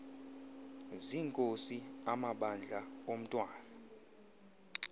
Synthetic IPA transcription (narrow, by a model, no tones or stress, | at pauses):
ziːŋkʼosiamaɓand͡ɮʱaom̩tʼwaːna